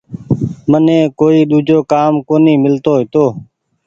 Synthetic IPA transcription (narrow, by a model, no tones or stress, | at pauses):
mənẽːkoːiːɗuːd͡ʒʱoːkaːmkoːniːmɪlt̪oːɦɪt̪oː